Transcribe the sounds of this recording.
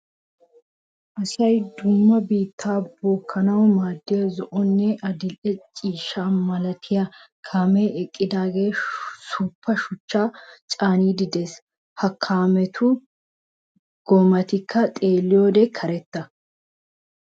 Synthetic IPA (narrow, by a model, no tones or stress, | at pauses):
ʔɐsɐjd̪ʊmːɐbiːt̪ʰːaːboːkʰːɐnɐwmaːd̪ːɪjɐzɔʔɔnːɛʔɐd̪ɪlʔɛt͡ʃʼiːʃːaːmɐlɐt̪ʰɪjakʰaːmɛɛkʼːɪd̪aːɡe̞ːsuʊpːɐʃʊt͡ʃːaːt͡ʃʼaːniːd̪ɪd̪eːs | hɐkʰːaːmɛt̪ʰʊ | ɡ̥ɔmɐt̪ɪkʰːɐt̪ʼeːlːɪjoːd̪ɛkʰɐɾɛt̪ːɐ